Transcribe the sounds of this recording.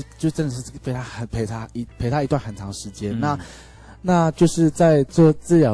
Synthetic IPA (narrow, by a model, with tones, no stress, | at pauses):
t͡ɕjo˥˧ʂɻ̩˥ʈ͡ʂə˥˧n˨˩ʂ̩˥˧˥pʰe˧˥ɪt̪ʰa˥xə˨npʰe˧˥ɪt̪ʰa˥i˧˥pʰe˧˥ɪt̪ʰa˥i˧˥t̪wa˥˩nxə˨˩nt͡sʰɑ˧˥˦ŋə˧ʂɻ̩˧˦t͡ɕjɛ˦nna˥˨ | na˥˧t͡ɕjo˥˧ʊʂɻ̩˥˧t͡sa˥˧ɪt͡swɔ˥˧t͡sɹ̩˥˧jɑ˨˩